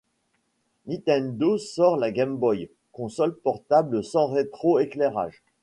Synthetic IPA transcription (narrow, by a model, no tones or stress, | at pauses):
nĩt̪ɛnd̪osɔʁlaɡʲɛmbɔj | kɔ̃sɔlpɔʁt̪abləsɑ̃ʁet̪χoekleʁa̰ʒ